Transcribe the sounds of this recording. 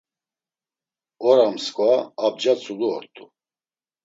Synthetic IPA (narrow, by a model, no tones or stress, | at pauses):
ɔɾamskʼvaːb̚d͡ʒat͡sʰʼuluɔɾt̪ʰʼu